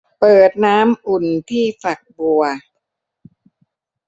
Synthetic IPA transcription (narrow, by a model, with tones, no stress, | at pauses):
pɤː˨˩t̪̚naː˦˥mʔu˨˩nt̪ʰiː˥˩fa˨˩k̚bu˧ɐ